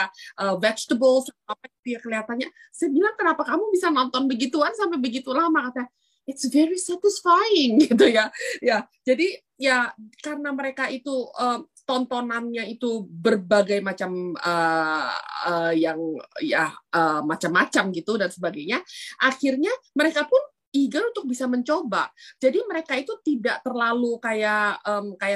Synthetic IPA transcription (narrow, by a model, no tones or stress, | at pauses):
aʔəːvɛt͡ʃt̪əbəlsaapaɡit̪ujakəliɦat̪anɲa | sajabilaŋkənapakamubisanɔnt̪ɔnbəɡit̪ukansampabəɡit̪ulamakat̪a | ɪtsvɛɾisɛt̪ɪsfajɪŋɡit̪ujaja | d͡ʒadi | jakarənaməɾekait̪uəːmt̪ɔnt̪onanɲait̪ubərbaɡajmat͡ʃamə | əjaŋjaʔəːmat͡ʃamːat͡ʃamɡit̪udansəbaɡajɲaʔaxɪrɲaməɾekapʊn | iɡanunt̪ʊk̚bisaməɲt͡ʃoba̰d͡ʒadiməɾekait̪ut̪idaʔt̪ərlalukajaʔəmkaja